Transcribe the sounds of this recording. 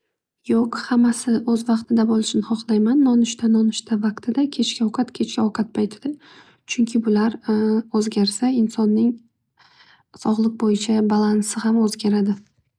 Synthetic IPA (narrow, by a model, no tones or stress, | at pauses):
joqhamːasɪʔɵzvɑqt̪ʰɪd̪abolˠɪʃnɪhɒqlˠajmanːɒnʊʃt̪ʰanɒnʊʃt̪ʰavaqt̪ʰɪd̪akʲʰe̞t͡ʃkʲʰaɒqʰɑt̪kʲʰe̞t͡ʃkʲaɒqʰɑt̪̚pʰajt̪ʰɪd̪̥ɪ | t͡ʃʰʊŋkʲʰɪbʊlaɾɵzɡʲaɾsaɪnsɒnːɪŋ | sɒʁlˠɨq̚bojɪt͡ʃʰabalˠansɪhamɵzɡʲaɾad̪ɪ